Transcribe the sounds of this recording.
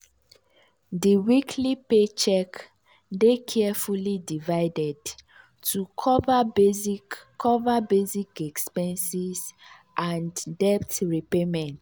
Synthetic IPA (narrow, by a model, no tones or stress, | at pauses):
diwikʰlipet͡ʃɛk | dekʰɛfulidivaɪdɛd | tʰukʰɔvabezikʰɔvabezikɛkspɛ̃nsiz | ʔãndɛptɹipemɛ̃nt